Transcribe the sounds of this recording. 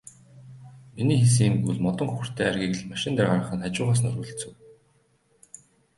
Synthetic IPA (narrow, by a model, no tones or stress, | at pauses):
miniːxes̬iːŋɡuɮmɔt̪ɞ̆ŋxuxɵ̆r̥t̪ʰeːarɣʲiːkɘ̆ɮmaʃɪ̆nt̪arɢaɾə̆χə̆nat͡ɕʊːʁaːs̬nɵɾɣŭːɮt͡sɘ̆w